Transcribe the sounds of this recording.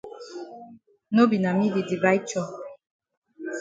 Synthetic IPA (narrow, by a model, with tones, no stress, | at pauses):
no˦bi˨na˨mi˦di˨di˨ba˦i˦t͡ʃɔ˦